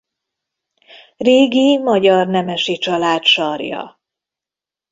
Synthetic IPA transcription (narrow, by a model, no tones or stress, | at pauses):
reːɡimɒɟɒrnɛmɛʃit͡ʃɒlaːt̪ʃɒrjɒ̰